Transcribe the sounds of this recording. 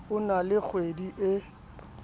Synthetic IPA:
ʊnalɪk͡xʰwediʔɪ

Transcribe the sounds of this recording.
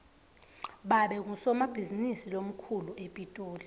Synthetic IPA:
ɓaɓɛk̬usɔmab̥ʱizinisilom̩kʰuluʔepʼitʼoːli

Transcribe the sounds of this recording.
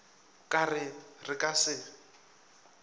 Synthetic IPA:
kʼarɪrɪkʼasɪ

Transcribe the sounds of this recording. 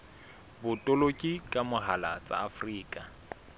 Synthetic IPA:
bʊtʼʊlokʼikʼamʊɦala̰t͡sʼa̰ːfriːkʼa

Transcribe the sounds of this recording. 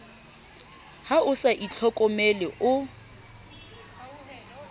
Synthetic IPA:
haʊsaʔit͡ɬʰɔkʼɔmɛlɪʔʊ

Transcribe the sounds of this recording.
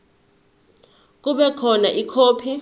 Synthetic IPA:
k̬uɓɛkʰɔnaʔikʰoːpʰi

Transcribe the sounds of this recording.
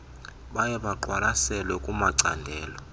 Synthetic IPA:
ɓajɛɓaǃwalasɛlwɛkʼumaǀa̰ndʱɛːlɔ

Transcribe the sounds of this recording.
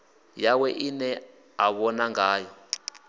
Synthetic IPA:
jawɛʔinɛ | aβɔnaŋaːjɔ

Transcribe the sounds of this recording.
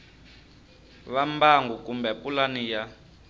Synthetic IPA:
βambaŋɡukʼumbɛpʼulanija

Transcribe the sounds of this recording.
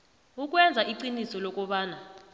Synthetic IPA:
uk̬ʼwɛnd͡zʱaiǃinisɔlɔk̬ʼɔɓaːna

